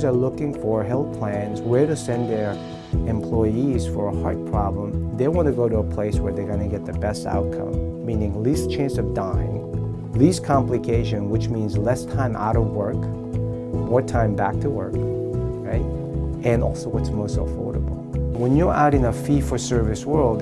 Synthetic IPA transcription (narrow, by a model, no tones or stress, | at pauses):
zə˞lʊkɪ̃ŋfə˞ɦɛlˠθpʰl̥æ̃nzwəɾɨsɛ̃nðə˞ | ɨ̃mpʰl̥ɔɪiz̥fə˞əhɑɹd̚pʰɹ̥ɑblə̃mðeɪwɑ̃nɨɡoʊɾəəpʰl̥eɪswə˞ðeɪɡʌ̃nɨɡɛt̪̚ðɨbɛsta̰ʊt̚kʰʌ̰̃mː | ĩnɪ̃ŋlist͡ʃʰæ̃nsʌvdãɪɪ̰̃ŋ | liskʰɑ̃mplɨkʰeɪʃɨ̃nwɨt͡ʃmĩnzlɛstʰãɪ̃mʔa̰ʊɾʌvwɜ˞k | mɔɹtʰãɪ̃mbæk̚tʰɨwɜ̰˞kɹaɪt̚ | ɨ̃nɔ̰lˠsoʊwʌtsmoʊstəfɔ̰ɹɾəbl̩ˠwə̃njə˞ʔa̰ʊɾɨ̃ŋəfifə˞sɜ˞vɨswɜ˞lˠd̚